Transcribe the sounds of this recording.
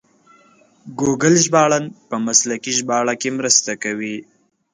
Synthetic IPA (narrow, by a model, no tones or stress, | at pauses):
ɡoɡəlʒbɑɭanpəmaslakiʒbɑɭakemɾəst̪akawi